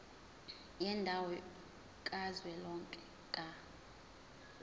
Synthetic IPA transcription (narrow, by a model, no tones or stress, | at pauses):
jɛndʱawɔ | kʼazwɛlɔŋkʼɛ | kʼa